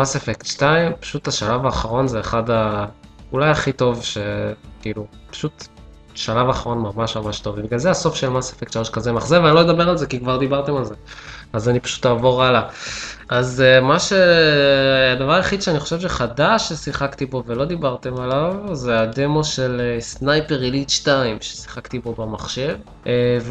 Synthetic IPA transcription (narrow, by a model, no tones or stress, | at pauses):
masefektʃtaimpḁʃut̪aʃalavaːχaʁo̞nzeːχada | ulajaχito̞vʃe̞kiːlupḁʃut̪ | ʃalavaːχaʁo̞nmamaʃmamaʃt̪o̞vibiɡalzeaso̞fʃe̞lmasefektʃalo̞ʃkazemaχzeveanilojed̪abe̞alzekikvaʁd̪ibaʁt̪e̞malzeazanipḁʃu̥t̪aːvo̞ʁalaʔazmaʃe̞ | ad̪avaʁaeχid̪ʃeaniχoʃevʃeχadaʃesiχakt̪ibo̞ve̞lo̞d̪ibaʁt̪e̞malavzead̪e̞mo̞ʃe̞lesnajpeʁilit̪ʃtaimʃesi̥χakt̪ibo̞bamaχʃe̞v | ʔev